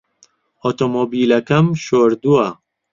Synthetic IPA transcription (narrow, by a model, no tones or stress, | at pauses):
ot̪omobiːlɐkɐmʃoːɾd̪uɐ